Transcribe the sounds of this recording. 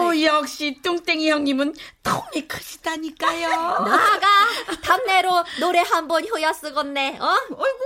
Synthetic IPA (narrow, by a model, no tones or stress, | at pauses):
ojʌk̚ɕ͈it͈uŋt͈eŋijʌŋɲimɯntʌmikʰɯɕʰi̥taɲik͈ajonaɡatamne̞ɾonoɾe̞ɦambʌnçjojʌs͈ɯɡʌnːe̞ʌo